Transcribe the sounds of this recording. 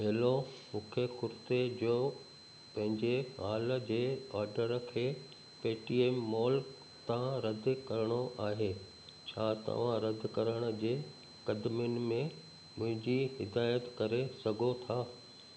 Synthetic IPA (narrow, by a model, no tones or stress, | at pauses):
ɦeɦlomũːkʰexʊɾt̪ed͡ʑoː | pɐ̃ɦɪ̃ɲd͡ʑeɦaːləd͡ʑeːaːɾɖəɾkʰeː | peːʈiːeːmːɔːl | t̪ãɾɐd̪ʱkɐɾəɽ̃oʔaːɦeː | t͡ɕʰaːt̪ɐ̰ʋ̤ãɾɐd̪ʱkɐɾəɽ̃ə̆d͡ʑeː | kɐd̪mjʊnɪ̆mẽ | mʊ̃ɦɪ̃ɲd͡ʑiɦɪd̪aːjət̪kɐɾesɐɡʱot̪ʰaː